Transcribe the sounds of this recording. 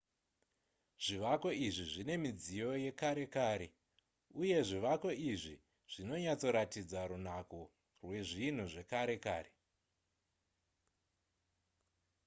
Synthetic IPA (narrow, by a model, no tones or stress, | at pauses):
ʐ̥iʋako̞iʐiʐine̞mid͡zijo̞je̞kaɾe̞kaːɾe̞ | uje̞ʐiʋako̞iʐi | ʐ̥ino̞ɲat͡so̞ɾatid͡zaɾun̤ako | rwe̞ʐin̤uʐe̞kaɾe̞kaːre